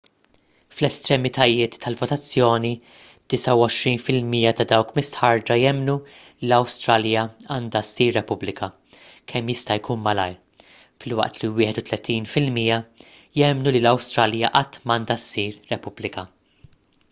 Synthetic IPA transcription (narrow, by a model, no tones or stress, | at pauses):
flɛst̪ɾɛmɪt̪ɐjɪːt̪ːɐlvɔt̪ɐt͡sːjɔːni | d̪̥ɪsɐwɔʃɾiːnfɪlmijɐt̪ɐd̪ɐwkmɪst̪ħɐɾd͡ʒɐjɛmːnulilɐwst̪ɾɐljɐɐːnd̪ɐsːiːɾːɛpʊblɪkʰɐ | kʰɛmːjɪst̪ɐjkʰuːnmɐlɐ̰jɾ | fɪlwɐ̰ʔt̪liwɪːħɛt̪ʊt̪lɛt̪iːnfɪlmiːjɐ | jɛmnulilɐwst̪ɾɐljɐʔɐt̪ːmɐːnd̪ɐsːiːɾːɛpʊblɪkɐ